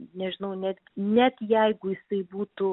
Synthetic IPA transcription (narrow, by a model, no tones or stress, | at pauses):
nʲɛʒʲɪnɐʊnʲɛd̪ʲɡʲɪnʲɛt̪jɛɪɡʊjɪsɐɪbuːt̪ʊ